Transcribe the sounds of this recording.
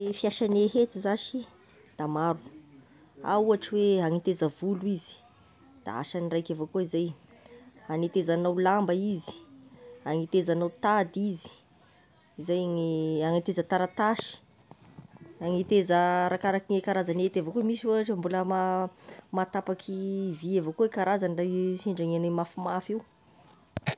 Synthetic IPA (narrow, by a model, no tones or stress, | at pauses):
fiaʃaneɦet̪izaʃi | d̪̥amaɾu | a̰uaʈ͡ʂiweaŋit̪ezəvuluizi̥ | d̪̥a̰a̰ʃanirajkavokuizaj | aŋit̪ezanawlambəizi̥ | aŋit̪ezanawt̪ad̪izi̥ | izajaŋiaŋit̪ezət̪aɾat̪aʃi̥ | aŋit̪ezəɾakaɾakiŋekaɾazanet̪avokomisiwaʈ͡ʂambuləma | mat̪apakʰiviavokoekaɾazanirajʃeɳɖ͡ʐaŋanamafimafiw